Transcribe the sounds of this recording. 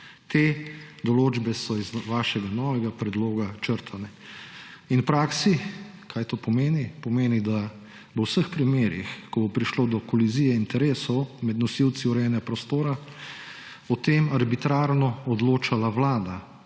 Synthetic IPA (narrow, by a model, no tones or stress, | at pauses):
t̪ed̪ɔloːd͡ʒbɛsɔizʋaːʃɛɡanɔːʋɛɡapɾɛd̪loːɡat͡ʃəɾt̪ʰanɛ | inwpɾaːksi | kʰajt̪oːpɔmeːnipɔmeːnid̪a | ʋəwsəxpɾimeːɾḭxkɔbɔpɾiʃloːd̪ɔkɔlizijɛint̪ɛɾeːsɔwmɛd̪nɔsiwt̪siuɾɛɛnɛɡapɾɔst̪oːɾa | ɔt̪eːmaɾbit̪ɾaːɾnɔɔd̪loːt͡ʃalaʋlaːd̪a